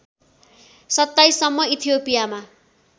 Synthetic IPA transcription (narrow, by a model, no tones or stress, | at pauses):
sʌt̪ːajsʌmːʌit̪ʰijopijama